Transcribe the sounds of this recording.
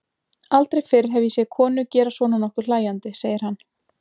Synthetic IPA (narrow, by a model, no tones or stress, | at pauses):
alt̪ɾejfɪɾ̥ɦɛvjisjɛkʰɔːnʏcɛːɾasvɔːnanɔhkʏɾ̥laːjant̪ɪseːjɪɾ̥hanː